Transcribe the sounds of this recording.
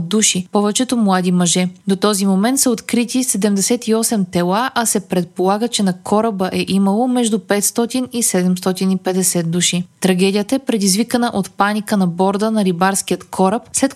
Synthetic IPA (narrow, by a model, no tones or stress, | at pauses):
d̪uʃipɔvɛt͡ʃɛt̪omlˠad̪imɐʒɛd̪ot̪ɔzimomɛnt̪səot̪kɾit̪isɛd̪ɛmd̪ɛsɛt̪iɔsɛmt̪ɛlˠaʔɐsɛpɾɛt̪̚polˠaɡət͡ʃɛnɐkʰɔɾəbəʔɛʔiməlˠomɛʒd̪upɛt̪st̪ɔt̪inisɛd̪ɛmst̪ɔt̪inipɛd̪ɛsɛt̪̚d̪uʃit̪ɾɐɡʲɛd̪ijət̪əɛpɾɛd̪izvikənəʔot̪panikənɐbɔɾd̪ənɐɾibaɾsk̟iət̪kʰɔɾəpslɛt̪